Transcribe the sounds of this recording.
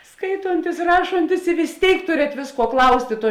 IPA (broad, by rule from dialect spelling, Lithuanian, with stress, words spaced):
ˈskɐɪtoːnʲtʲɪs ˈrɑːʃoːnʲtʲɪs ɪ ʋʲɪs ˈtʲeːɪk ˈtʊrʲɛt ˈʋʲeːsˌkuɔ ˈklˠɐʊsʲtʲeː ˈtuɔ